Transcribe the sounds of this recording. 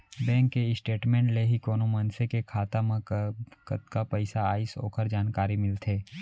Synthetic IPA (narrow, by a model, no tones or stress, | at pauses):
bɛ̃ːŋkːeɪsʈeːʈmẽːɳʈleɦikoːnomənsekekʰaːt̪amãkət̪kapəɪsaaːɪso̰ːkʰəɾd͡ʒaːnkaːɾimɪlt̪ʰeː